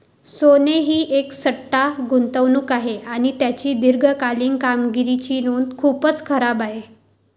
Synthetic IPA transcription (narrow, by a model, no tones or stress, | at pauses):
soneɦiːʔeksəʈːaɡunt̪əʋnuːkaɦeʔaɽ̃it̪jat͡ɕiːd̪iɾɡʱəkaliːŋkamɡiɾit͡ɕiːnuːnd̪kʰuːpət͡skʰəɾabaɦe